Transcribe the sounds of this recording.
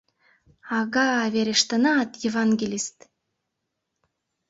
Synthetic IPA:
ɑɣɑːβeɾʲeʃt̪ə̆nɑːt̪jevɑnɡʲelʲist̪

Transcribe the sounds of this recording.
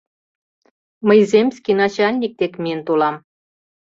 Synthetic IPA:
məjzʲemʲsʲkʲinɑt͡ɕɑlʲnʲik̚t̪ekmʲijənt̪olɑm

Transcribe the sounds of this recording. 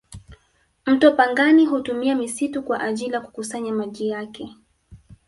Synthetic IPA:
m̩tuapaŋɡaniɦutumiamisitukwaʔaʄiliaku̥kusaɲamaʄijakɛ

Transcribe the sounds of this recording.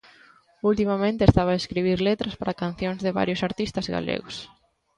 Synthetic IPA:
ult̪imamẽnt̪est̪aβaeskɾiβ̞iɾlet̪ɾaspaɾakanθjoŋzðɪβa̰ɾjʊsaɾt̪ist̪ɐzɣa̰lḛɣʊs

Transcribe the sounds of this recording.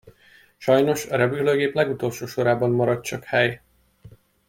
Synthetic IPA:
ʃɒjno̞ʃɒɾɛbyløːɡeːplɛɡut̪o̞lʃoːʃo̞ɾaːbɒmːɒɾɒtt͡ʃɒkhɛj

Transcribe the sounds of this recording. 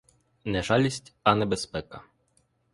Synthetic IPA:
nɛʒɑlʲisʲtʲɐnɛbespɛkɐ

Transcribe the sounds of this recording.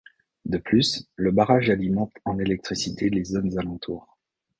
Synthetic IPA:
d̪əplysləbaʁaʒalimɑ̃t̪ɑ̃nelɛk̚t̪χisit̪ʰelezonzalɑ̃t̪ʰuːʁ

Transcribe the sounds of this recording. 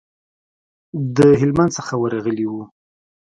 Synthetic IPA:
d̪əɦɪlmand̪səxawəɾaɣəliwu

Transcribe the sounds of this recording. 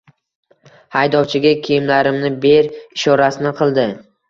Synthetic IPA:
hajd̪ɒwt͡ʃʰɪɡʲakʲʰejɪmlaɾɪmnɪbe̞ɾɪʃɒɾasɪnɪqʰɨlˠd̪ɪ

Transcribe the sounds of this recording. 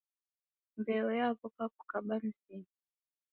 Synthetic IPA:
mbɛɔjaβɔpaku̥kaɓan̩sini

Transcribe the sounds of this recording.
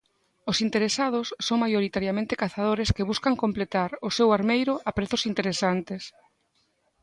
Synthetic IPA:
ʊsint̪eɾesað̞ʊsːoŋmajoɾit̪aɾjamẽnt̪e̥kaθað̞oɾeskɪβ̞uskaŋkomplet̪aɾʊsewaɾmejɾʊapɾeθʊsint̪eɾesant̪es

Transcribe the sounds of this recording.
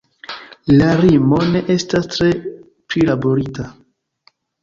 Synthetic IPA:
laɾimo̞ne̞ʔe̞stastɾe̞ | plilaboɾita

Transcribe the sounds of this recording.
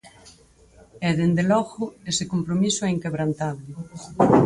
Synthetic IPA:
ɛðend̪elɔɣʊesɪkompɾomisʊɛiŋkeβɾant̪aβlɪ

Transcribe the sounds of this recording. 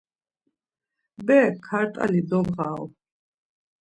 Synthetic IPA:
bɛkʰːaɾt̪ʼa̰lid̪ɔbʁaɔ

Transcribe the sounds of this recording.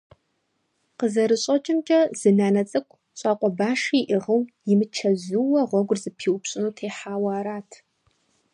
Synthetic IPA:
qəzɐɾɨɕʼɐt͡ʃʼɪmt͡ʃʼɐzɨnaːnɐt͡sʼɨkʷʰ | ɕʼaːqʷʼɔbaːʂiːʔɪʁəwjɪmɨt͡ʃʰɐzuwɐʁʷɔɡʷʊrzɨpʰiːwʊpɕʼɪnuːtʰeːħaːwaːɾaːtʰ

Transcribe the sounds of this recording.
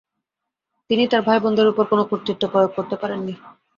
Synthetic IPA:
t̪init̪aɾbʱajbɔnd̪ʱeɾupoɾkonokoɾt̪ːit̪ːopɾɔjoɡ̚koɾt̪epaɾenːi

